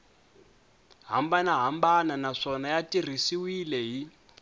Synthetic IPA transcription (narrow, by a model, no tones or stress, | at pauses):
ɦa̰mbanaɦambananaʂɔnajatir̤isiwilɛɦi